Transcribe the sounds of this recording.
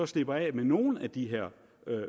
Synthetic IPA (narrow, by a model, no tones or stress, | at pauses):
ɒ̽sle̝b̥ɐɛ̰meno̝ːn̩æd̥iɦeɐ̰ | ø